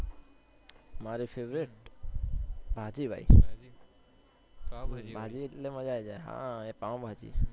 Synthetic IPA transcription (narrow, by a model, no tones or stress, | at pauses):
maɾipʰeʋɾeʈ | bʱad͡ʒibʱa̰i | bʱad͡ʒieʈlemãd͡ʒaed͡ʒaeɦã̰epãbʱad͡ʒḭː